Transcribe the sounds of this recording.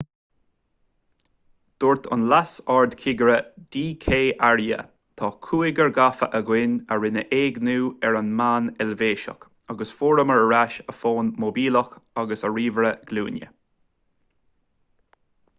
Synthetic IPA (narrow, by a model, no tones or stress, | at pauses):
d̪̥ʊɹt̪ʰʊ̰nlasɑɹd̪kʰɪɡəɹəd̪̥iːkʰeːʔaɹjə̰ | t̪ʰɑːkʰuːɪɡəɹɡafəʔəɡwɪnəɹɪnəʔeːɡnuːɛɹanmaːnɛlveːʃə̰k | aɡəsfoːɾəməɹəɹaʃəfoːnmobiːləxaɡəsəɹiːvəɹəɡ̥lṵːnjə̰